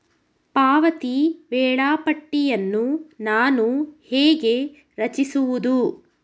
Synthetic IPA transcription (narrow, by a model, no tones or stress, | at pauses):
paːʋɐt̪iʋɛːɭaːpɐʈːijɐnːunaːnuheːɡe̞ | ɾɐt͡ʃisuʋud̪u